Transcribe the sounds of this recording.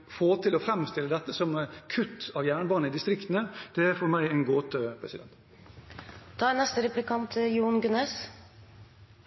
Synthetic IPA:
foːt̪ʰɪlɔfɾɛmst̪ɪlːəd̪ɛt̪ːəsɔmkʰʉt̪ʰːɑʋjæːɳəbɑːnəɪd̪ɪst̪ɾɪkt̪ənəd̪̥ɛæɾfɔɾmæɪɛnɡoːt̪əpʰɾɛsɪd̪ɛ̰nt̪ | d̪̥ɑːænɛst̪əɾɛplɪkʰɑnt̪juːɳɡʉneːs

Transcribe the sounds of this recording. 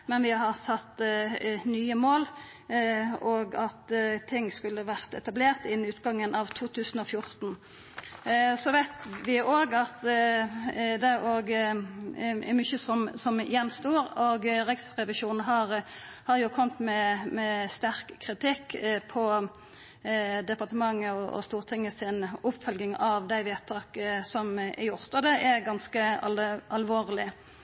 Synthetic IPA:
mɛnʋɪhɑʁt̪ʰɑt̪ː | nyːəmoːl | oːɡɑt̪t̪ʰɪŋːskʉlːəʋæʁt̪ɛt̪ɑbleːʁt̪ɪnnʉːt̪ɡɑŋːənʔɑʋt̪ʰuːt̪ʰʉːsn̩ɔfjʊɾt̪n | sɔʋæɪt̪ʋɪʔoːɡɑt̪ | d̪ɛæɾoːɡ | mʏçəsɔmsɔmjɛnːst̪uːɾɔɡʁɛɡsʁɛʋɪʃuːnn̩ɦɑɾhɑɾjʊkʰɔmt̪mɛmɛst̪æʁkʰːʁɪt̪ɪkːpʰɔ | d̪ɛpɑʁt̪əmɑŋːəɔʔɔ̰st̪uːʁt̪ʰɪŋːəsɪnʊpfœlɡɪŋɑʋd̪æɪʋeːt̪ʰːɑːkəsɔmɛ̰jʊʁt̪ɑd̪ɛʔɛɡɑnskəɑʔɑlʋoːɾlɪ

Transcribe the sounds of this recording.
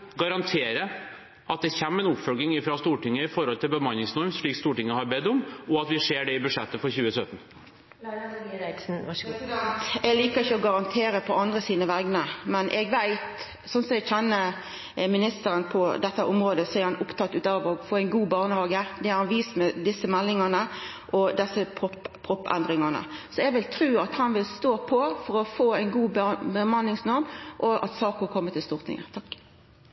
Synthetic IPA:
ɡɑɾɑnt̪ʰeːɾə | ʔɑt̪̚d̪ɛçɛmːɛnʊpfœlɡɪŋɪfɾɑst̪uːʈɪŋːəɪfɔɾhɔlt̪ʰɪlbəmɑnːɪŋsnɔɾmsʂɭiːkst̪uːʈɪŋːəhɑɾbɛd̪ʊmːɔɑt̪ʋɪʂeːɖɛɪbʉʂɛt̪ːəfɔɾçʉːəsœt̪ən̩ | ɾsn̩nt̪ɛɡliːkəɾɪçəɔɡɑɾɑnt̪ʰeːɾəpʰɔɑnd̪ʁəsiːnəʋæɡnəmɛnʔɛɡʋæɪt̪ | sɔnsɔmɛɡçɛnːə | mɪnɪst̪əɾənpʰɔd̪ɛt̪ːəʔʊmʁoːd̪əsɔæɾhɑnʊpt̪ɑt̪ːʉːt̪ɑːʋɔɡfoːæɪnɡuːbɑːʁnəhɑːɡəd̪ɛæɾhɑnʋiːsmɛd̪ɪsːəmɛlːɪŋɑnə | ʔɔd̪ɛsəpʰɔppʰʁɔpːɛ̰nd̪ʁɪŋɑnə̰sɔɛɡʋɪlt̪ʰɾʉːɑt̪hɑnʋɪlst̪oːpʰɔfɔɾɔfoːæɪnɡuːbbəmɑnːɪŋsnɔʁmʔɔʔɑ̰t̪sɑːkəkʰɔmːət̪ʰɪlst̪ʊʁt̪nɪ̰ŋə̰t̪ʰɑkː

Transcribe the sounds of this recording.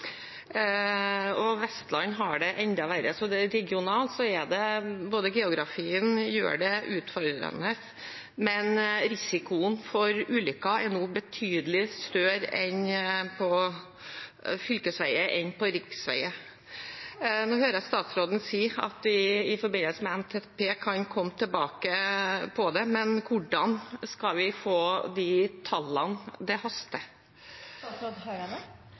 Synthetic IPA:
ɔʋɛst̪lɑɲːɦɑɖɛʔɛnd̪ɑʋæɾəsɔd̪ɛɾɛɡɪʊnɑːlt̪sɔɛd̪ɛboːd̪əɡɛːʊɡɾɑfiːənjø̰ːɖɛʔʉːt̪fɔɾd̪ɾə̰nəs | mɛnɾɪsɪkʊənfɔɾʉːlʏkːɑɛnuːbət̪ʰyːd̪əlɪst̪œːɾɛnpʰɔ | fʏlkəsʋæɪəʔɛnpʰɔɾɪksʋæ̰ɪə | noːhøːɾəst̪ɑːt̪sɾoːd̪n̩siːɑ̰t̪ʋɪɪfɔɾbɪnəlsəmɛɛnt̪ʰeːt̪pʰeːkʰɑnkʰɔmːət̪ʰəbɑːkəpʰɔd̪ɛmɛnkʰʊɖɑnskɑʋɪfoːd̪ɪt̪ʰɑlːɑnd̪ɛhɑst̪ə

